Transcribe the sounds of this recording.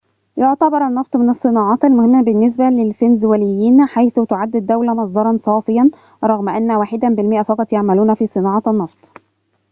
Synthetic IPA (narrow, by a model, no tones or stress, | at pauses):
joʕt̪ɑbɑɾˤɑnːɑft̪ˤmɪnɨsˤːɨnɑːʕɑːt̪ælmʊhɪmːæbɪnːes̬bælelfenzwælɪjːiːnħajθʊt̪ʊʕad̪ːɪd̪ːæwlæmɑsˤd̪ˤɑɾˤɑnsˤɑːfɪjæn | ɾˤɑɣmʔænːæwaːħɪd̪æbɪlmɪʔæfɑqɑt̪ˤjaʕmæluːnæfiːsˤɨnɑːʕɑt̪ɑnːɑft̪ˤ